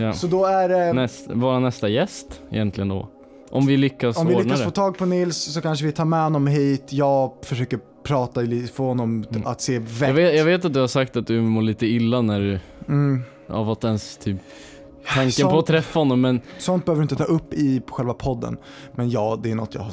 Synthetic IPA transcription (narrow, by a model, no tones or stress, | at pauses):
jɑːsɔd̪ɔæɾɛnɛst̪vɑːɾanɛst̪ajɛst̪ɛ̰jɛnt̪ʰlɪɡənd̪ɔ̰ | ʔɔmmvɪlʏkːasɔmvɪlːʏnk̪asɾfoːt̪ʰɑːɡ̚pʰɔnɪlssɔkanʂ̬əvɪt̪ʰɑːɾmɛhɔnːɔmɦiːt̪jɑːfœʂøːkəɾ | pʰɾɑːt̪alit̪fəɾhɔnːɔmat̪seːvɛɡveːjɑɡveːt̪at̪̚d̪ɵhaɾʂsak̚t̪at̪̚d̪ɵmoːɭiːt̪əɪlːanæɖɵ | a̰vat̪ːɛnst̪ʰyːp | t̪ʰaŋkənpɔat̪ʰːɾɛfːahɔnːɔmːɛnsɔnt̪̚bɛøːvɾɵɪnt̪ət̪ʰɑːɵpːɪpʰɔɧɛlvapʰɔd̪ːə̰n | mɛnjɑːd̪ɛænɔt̪ːja̰ha